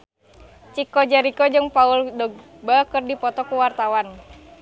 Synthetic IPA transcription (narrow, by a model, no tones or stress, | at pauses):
t͡ʃikɔd͡ʒaɾikɔd͡ʒɨŋpauldɔɡ̚ | bakɨrdipɔt̪ɔkuwart̪awan